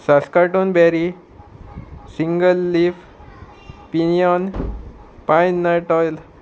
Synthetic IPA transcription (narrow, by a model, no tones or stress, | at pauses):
saskaʈunbɛɾi | siŋɡəlːif | pinijɔn | pãjnːaʈɔjl